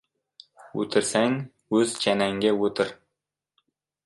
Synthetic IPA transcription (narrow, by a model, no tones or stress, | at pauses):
wɵ̰t̪ɘ̆ɾsæŋ | ɵzt͡ʃʰænæŋɡʲæwɵt̪ɪɾ